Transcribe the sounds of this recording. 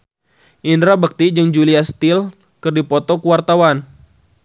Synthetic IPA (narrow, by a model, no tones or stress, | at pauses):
ʔindɾabək̚t̪id͡ʒɨŋd͡ʒuliast̪il | kɨrdipɔt̪ɔkuwart̪awan